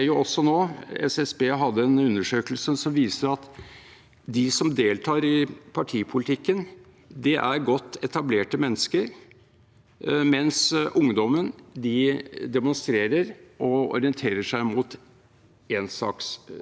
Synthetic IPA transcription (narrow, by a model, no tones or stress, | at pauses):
æjʊɔsːɔnoːɛ̰sɛsbeːɦɑd̪ːəɛnʉnːəʂøːkəlsəsɔmʋiːsəɾɑt̪ | d̪ɪsɔmd̪eːlt̪ʰɑːɾɪpʰɑʈʰiːpʰʊlɪt̪ʰɪkːən | d̪ɛʔæɾɡɔt̪ːɛt̪ɑbleːʈəmɛnːəskəɾ | mɛnsʔʊŋd̪ɔmənd̪ɪd̪ɛmʊnst̪ɾeːɾəɾʔɔɔ̰ɾɪənt̪ʰeːɾəʂæɪmut̪ | eːnsɑ̰ːks